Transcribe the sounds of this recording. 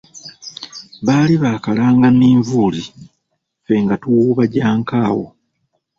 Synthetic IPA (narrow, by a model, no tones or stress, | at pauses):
βaːliβaːkalaːŋɡaniːɱvuːli | fe̞ŋɡatuwuːβaɟaːŋkaːwo